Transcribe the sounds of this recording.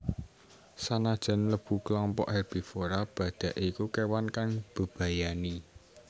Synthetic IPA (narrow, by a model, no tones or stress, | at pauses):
sanad̥ʒ̥a̤nləb̥ṳklɔmpɔ̰ʔhɛrb̥i̤foɾab̥ä̤d̪̥ä̤ʔikukewankaŋb̥ə̤b̥ä̤jani